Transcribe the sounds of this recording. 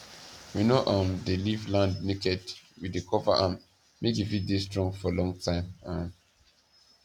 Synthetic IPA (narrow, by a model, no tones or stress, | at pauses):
winoʔɔ̃ndelivlãndnekɛdwidekʰɔvaʔam | mekifidestɹɔ̃ŋfɔlɔ̃ŋtʰãɪ̃mãn